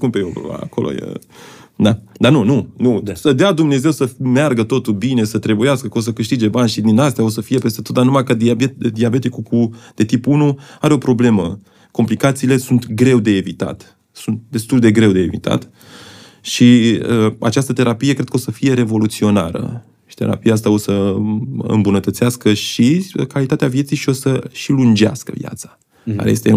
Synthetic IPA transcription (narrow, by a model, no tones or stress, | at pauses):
skunpejew̰a̰ko̞lo̰jḛ | d̪ad̪anununusəd̪ead̪umne̞ze̞wsəmearɡət̪o̞t̪ulbine̞sət̪ɾe̞bujeaskəkəo̞s̬əkɨʃt̪id͡ʒe̞banʲʃid̪inast̪ejao̞səfije̞pe̞st̪e̞t̪o̞t̪̚d̪anumajkəd̪iaed̪iabe̞t̪ikukud̪̥e̞t̪ipunuaɾeo̞pɾo̞ble̞mə | ko̞mplikat̪siːle̞sunt̪ɡɾe̞wd̪e̞ːvit̪a̰t̪ | sunt̪̚d̪e̞st̪uld̪e̞ɡɾe̞wd̪e̞̰ːvit̪a̰t̪ | ʃiəa̰t͡ʃast̪ət̪e̞ɾapije̞kɾe̞d̪̚kəo̞səfije̞ɾe̞vo̞lut̪sio̞na̰ɾə̰ | ʃi̥t̪e̞̰ɾa̰pijaas̬t̪ao̞sə | ɨ̰mbunət̪ət̪siaskəʃikalit̪at̪eavjet̪sijʃio̞səʃilund͡ʒea̰skə̰vja̰t̪sḁ | ɡa̰ɾḛest̪e